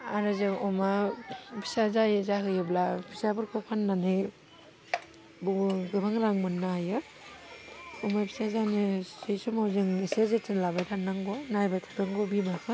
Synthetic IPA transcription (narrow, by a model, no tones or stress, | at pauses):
aɾɯzeɔmabisazajzaɦɯjɯblabʰisabɯɾkʰɔpʰanːanɯj | buɡɯbaŋɾaŋmɯnːajɯ | ɔmapʰisazanisɯjsumawzɯŋesezetʰɯnlabajtʰanːaŋɡɔnajbatʰḁtɯŋɡɔbibakʰɯ